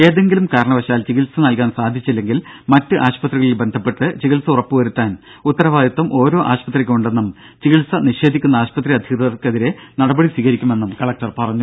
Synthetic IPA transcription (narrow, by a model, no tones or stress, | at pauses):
e̞ːðe̞ŋɡilumkaːɾɐɳɐʋɐɕaːlt͡ɕiɣilsɐnɐlkaːnsaːd̪ʱit͡ɕːilːe̞ŋɡilmɐtːɨʔaːɕpɐt̪riɣɐɭilbe̞nd̪ʱɐpːe̞ʈːɨt͡ɕiɣilsɐurɐpːɨʋɐɾut̪ːaːn | ut̪ːɐɾɐʋaːd̪it̪ːɐmʔo̞ːɾo̞ːʔaːɕpɐt̪ːrikʲːuɳɖe̞nːum | t͡ɕiɣilsɐniɕe̞ːd̪ʱikʲːunːɐaːɕpɐt̪ːriɐd̪ʱikɐrkeðiɾe̞nɐɽɐbɐɽisiːɣɐɾikʲːume̞nːumkɐɭɐk̚ʈɐrpɐrɐɲːu